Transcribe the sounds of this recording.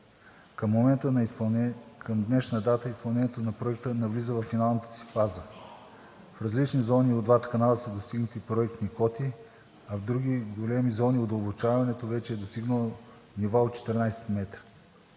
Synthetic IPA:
kəmːomɛnt̪ən | kʰəmd̪nɛʃnəd̪at̪əispɐlˠnɛniɛt̪onɐpɾoɛk̚t̪ənɐvlizəvɐfːinalˠnət̪ə̥si̥fbazə | fɾɐzlit͡ʃnizɔniod̪vat̪ə̥kɐnalˠəsəd̪ost̪iɡnət̪ipɾoɛk̚t̪nikɔt̪i | ɐvd̪ɾuɡʲiɡolɛmizɔniod̪ɐlˠbot͡ʃavɐnɛt̪ovɛt͡ʃɛːd̪ost̪iɡnəlˠo | nivaot̪t͡ʃɛ̥t̪ɛɾnajsɛ̥t̪mɛt̪ɾə

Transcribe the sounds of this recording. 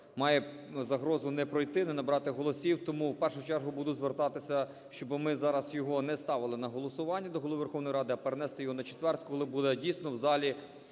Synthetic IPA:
mɑjɛ | zɐɦɾɔzʊnɛpɾɔjt̪ɪnɛnɐbɾɑt̪ɪɦɔlˠɔsʲiwt̪ɔmuwpɛrʃʊt͡ʃɛrɦʊbud̪ʊzʋert̪ɑt̪ɪsʲɐ | ʃt͡ʃɔbmɪzɑɾɐsjɔɦɔnɛst̪ɑʋɪlˠɪnɐɦɔlˠɔsʊʋɑnʲːɐd̪ɔɦɔlˠɔʋʋerxɔwnɔjɾɑd̪ɪɐpeɾenɛst̪ɛjɔɦɔnɐt͡ʃet̪ʋɛrt̪̚ʲkɔlˠɪbud̪ɛdʲijsʲnɔwzɑlʲi

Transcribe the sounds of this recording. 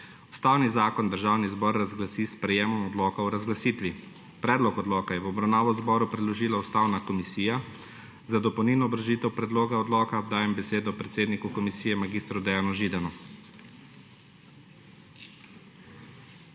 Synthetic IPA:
ust̪awnizaːkɔnd̪əɾʒaːwnizbɔɾːazɡlasispɾɛjeːmɔmɔd̪lɔːkawɾazɡlasiːt̪ʋi | pɾɛːd̪lɔkɔd̪lɔːkajɛwɔbɾawnaːʋɔzbɔːɾupɾɛd̪lɔʒiːlaust̪awnakɔmisiːja | zad̪ɔpɔwniːlnɔːbɾʒiːt̪ɛwpɾɛd̪loːɡaɔd̪lɔːkad̪aːjɛmbɛseːd̪ɔpɾɛt̪seːd̪nikukɔmisiːjɛmaɡiːst̪ɾɔd̪ɛjanɔʒiːd̪anu

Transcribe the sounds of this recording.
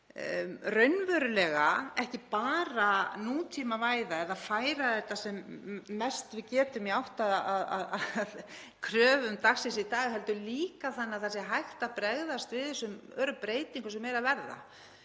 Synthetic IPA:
rœɥnvœɾʏlɛːɣaɛhcɪpaːɾanuːt̪ʰimavaːjðaɛðaðfaːjɾaθɛht̪ːasɛmːɛst̪vɪcɛːt̪ʏmiawht̪aðaða̰ðaað | kʰɾœːvʏmt̪ʰaksɪsɪit̪aːɣɪɦɛlt̪ʏliːkaθanːaθasɛɦajxt̪apɾɛɣðast̪vɪðθɛsːʏmœːɾʏpɾeːjt̪iŋkʏsɛmːeːjɾavɛɾða̰

